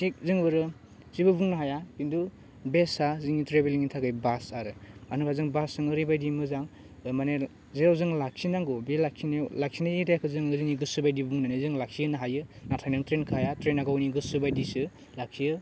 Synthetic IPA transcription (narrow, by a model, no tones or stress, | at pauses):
sik̚zɯŋbɯɾɯ | zibɯbuŋnaɦajakindu | besaziŋitɾebeliŋitʰaɡɯjbasaɾɯmanɯbʰazɯŋbasɯŋɯɾibajdimɯzaŋ | mane | zeɾawzɯŋlak̚sinaŋɡobelaksinelak̚sʰinajiɾajkʰɯzɯŋɯziŋniɡɯsubajdibbuŋnanizɯŋlak̚sʰijɯnɯɦajɯnatʰajnɯŋtɾenkʰajatɾenaɡawniɡɯsɯbajdisɯ | lak̚sʰijɯ